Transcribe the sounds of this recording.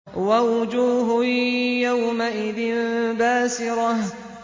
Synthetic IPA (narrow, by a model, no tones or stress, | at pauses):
wawʊd͡ʒuːɦʊjawmaʔɪðɪnbaːsɪɾˤɑh